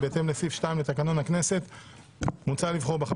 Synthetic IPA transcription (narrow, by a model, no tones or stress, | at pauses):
beet̪e̞mlesifʃtajimle̞t̪akano̞nhakne̞se̞t̪ | mut͡salivχo̞ʁbeχa